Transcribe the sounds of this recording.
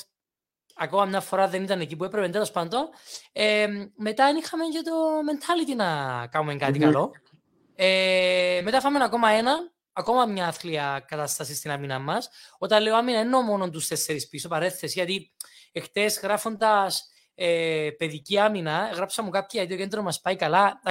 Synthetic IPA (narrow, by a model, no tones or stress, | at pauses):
ɐko̞mɐmɲɐfo̞ɾɐðe̞nit̪ɐnecip̬uepɾepent̪elo̞spɐnd̪o̞neme̞t̪ɐenixɐmeɲcet̪o̞me̞nt̪ʰɐlit̪inɐkɐmumeŋkɐt̪ikɐlo̞ | eme̞t̪ɐfɐmːenɐko̞mɐenɐn | ɐko̞mɐmɲɐɐθkliɐkɐt̪ɐst̪ɐsist̪inɐminɐmːɐsot̪ɐnleoaminɐenːo̞mo̞nont̪ust̪esːeɾispisopɐɾe̞θesʝɐt̪iext̪e̞sɣɾɐfo̞nd̪ɐs | epe̞ðiciɐminɐɣɾɐpsɐmːukap̚çiɐt̪iokend̪ɾomɐspɐikɐlɐ